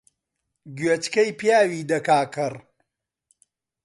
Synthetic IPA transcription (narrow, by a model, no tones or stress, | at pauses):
ɡɥet͡ʃkɐjpjaːwiːd̪ɐkaːkʰɨr